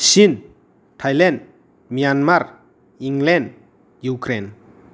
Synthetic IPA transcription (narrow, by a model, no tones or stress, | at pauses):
sin | tʰajlɛnd | mijanmaɾ | iŋɡlɛn | jukɾen